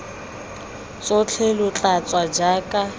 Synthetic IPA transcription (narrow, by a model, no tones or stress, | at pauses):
t͡sʼʊt͡ɬʰɛlʊt͡ɬʼat͡sʼwad͡ʒakʼa